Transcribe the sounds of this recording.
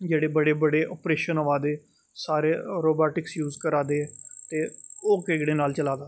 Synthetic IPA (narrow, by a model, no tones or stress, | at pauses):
d͡ʒeːɽeːbəɽeːbəɽeːʔɔːpɾeːʃənəʋaːd̪eː | saːɾeːɾoːbaːʈɪksjuːzkəɾaːd̪eːt̪eːoːkeːɡɽeːnaːlt͡ʃəlaːd̪aː